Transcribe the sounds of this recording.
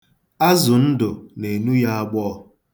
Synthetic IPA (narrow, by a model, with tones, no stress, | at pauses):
a˦zʊ˨n̩˦dʊ˨ne˨nu˦ja˦a˦ɡ͡bɔː˦˨